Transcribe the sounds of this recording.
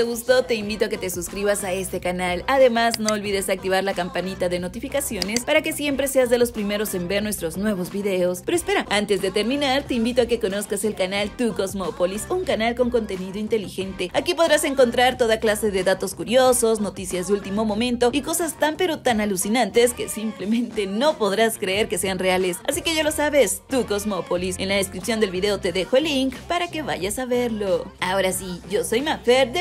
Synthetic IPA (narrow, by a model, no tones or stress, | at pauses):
t̪eɣust̪o̞t̪e̞imbit̪oaket̪e̞suskɾiβasae̞st̪e̞kanalaðe̞mazno̞ːlβiðe̞sak̚t̪iβ̞aɾlakampanit̪aðe̞no̞t̪ifikasjo̞ne̞spaɾake̞sje̞mpɾe̞se̞azðe̞lo̞spɾime̞ɾo̞se̞mbe̞ɾnwe̞st̪ɾo̞znwe̞βo̞zβiðe̞o̞spe̞ɾoespe̞ɾaant̪e̞zðet̪e̞ɾmĩnaɾt̪e̞imbit̪oake̞ko̞no̞skase̞lkanalt̪uko̞zmo̞po̞lisuŋkanalko̞ŋko̞nt̪e̞niðo̞int̪e̞lixe̞nt̪e̞akipo̞ð̞ɾase̞ŋko̞nt̪ɾaɾt̪o̞ðaklase̞ðe̞ðat̪o̞skuɾjo̞so̞sno̞t̪isjazðeult̪imo̞mõ̞mẽnt̪o̞iko̞sast̪ampe̞ɾo̞t̪analusinãnt̪e̞skesimplemẽ̞nt̪e̞no̞po̞ðɾaskɾeeɾke̞se̞anreale̞sasike̞ʝalo̞saβe̞st̪uko̞zmo̞po̞lise̞̰nlaðeskɾipsjo̞nd̪e̞lβiðe̞ot̪e̞ðe̞xoeliŋkpaɾake̞βa̰ʝasaβe̞ɾlo̞ao̞ɾasiʝo̞so̞jmafeɾd̪e